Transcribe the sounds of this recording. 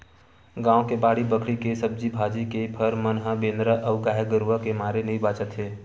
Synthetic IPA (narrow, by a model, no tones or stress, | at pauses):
ɡãːõkebaːɽibəkʰɽikesəb̚d͡ʒibʱaːd͡ʒikepʰəɾmənɦabẽːnd̪ɾaʔəːɡaːeɡəɾuakemaːɾenəɦĩbaːt͡ʃət̪ɦeː